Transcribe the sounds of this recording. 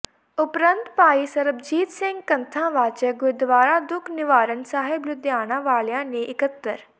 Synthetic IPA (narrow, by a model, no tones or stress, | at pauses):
ʊpɾə̃nt̪paːisɐɾəbd͡ʒiːt̪sɪ̃ŋɡ̚kɐnt̪ʰãːʋaːt͡ʃɛɡʊd̪ʋaːɾaːd̪ʊkʰnɪʋaːɾənsaːɦɪblʊd̪jaːnãːʋaːljãːnẽʔɪkət̪ːəɾ